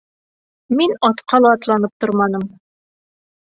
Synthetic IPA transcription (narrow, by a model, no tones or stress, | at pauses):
minɒt̪qʰɑlˠɑːt̪lˠɑnɤp̚t̪oɾmɑnɤm